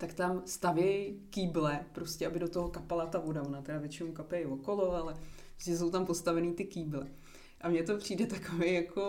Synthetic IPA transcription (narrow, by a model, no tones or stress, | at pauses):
t̪akt̪amst̪avjɛjkiːblɛpɾo̞scʲɛabɪdo̞t̪o̞ɦokapalat̪avo̞davo̞nat̪ɛɾavjɛt͡ʃɪnowkapjɛjvo̞ko̞lo̞alɛpɾɾoscɛs̬o̞wt̪ampost̪avɛniːt̪ɪkiːblɛ | ʔamɲɛt̪o̞pr̝̥iːdɛt̪ako̞vejjakʰo̞